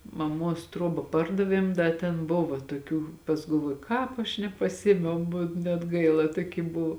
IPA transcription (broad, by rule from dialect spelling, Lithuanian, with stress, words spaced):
mɐˈmuɔs ˈtruɔbɐ ˈpɐrdɐʋʲiɛm ˈdɐ tʲɛn ˈbʊʋoː tuɔˈkʲuː pɐs ɡɐlˠˈʋuɔjʊ ˈkɑːp ɐʃ nʲɛpɐˈsʲɪeːmʲɛʊ bʊ nʲɛt ˈɡɐɪlˠɐ ˈtuɔˌkʲiː ˈbʊw